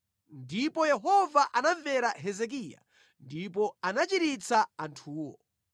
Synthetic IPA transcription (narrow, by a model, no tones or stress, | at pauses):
ndipɔjɛɦɔvaʔanaɱvɛɾaɦɛzɛk̬iːja̰ | ndip̬ɔanat͡ʃiɾit͡saantʰuːwɔ̰